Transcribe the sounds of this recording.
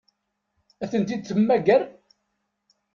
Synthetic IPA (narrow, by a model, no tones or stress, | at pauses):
æθənt̪id̪̚θəmːæɡəɾ